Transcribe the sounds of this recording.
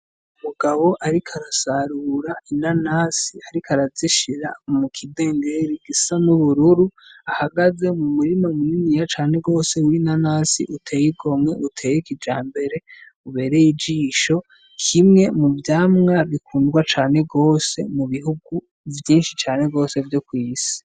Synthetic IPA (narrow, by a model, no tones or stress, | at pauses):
umuɡaβo̞ʔaɾikʰaɾasaɾuɾainanaːsiaɾikʰaɾaziʃiɾa̰mukʰide̞ːŋɡeɾiɡ̥isanuβuɾuɾuahaɡaze̞mumuɾimamuninijat͡ʃaːne̞ɡo̞ːse̞winanaːsḭʔutʰe̞ːjiɡo̞mŋe̞ʔutʰeːjikid͡ʒaːmbe̞ɾe̞ | uβe̞ːɾejid͡ʒiːʃo̞ | kʰimŋe̞muvjaːmŋaβikʰuːndɡwat͡ʃaːne̞ɡo̞ːse̞muβihuɡu | vjiːnʃit͡ʃaːne̞ɡo̞ːse̞vjokwiːsi̥